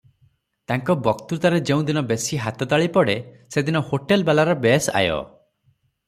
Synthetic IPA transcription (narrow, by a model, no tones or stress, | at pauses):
t̪aŋkɔbɔkt̪uɾt̪aɾed͡ʒeũd̪inɔbesiɦat̪ɔt̪aɭipɔɽe | sed̪inɔhoʈelbelaɾɔbesa̰jɔ̰